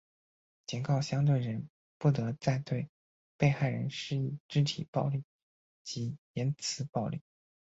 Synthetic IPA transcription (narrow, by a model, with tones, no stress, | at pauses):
t͡ɕi˨˩nkɑ˥˩ʊɕjɑ˥ŋt̪̬we˥˩ɪɻə˧˥n | pu˥˩t̪ɤ˧˥t͡sa˥˧ɪt̪we˥˧ɪ | pe˥˧ɪxa˥˩ɪɻə˧˥nʂɻ̩˥˧i˥˩ʈ͡ʂ̩˥t̪ʰḭ˨˩pɑ˥˧ʊli˥˩ | t͡ɕi˧˥jɛ˧˥nt͡sʰɹ̩˧˥pɑ˥˧ʊlḭ˥˩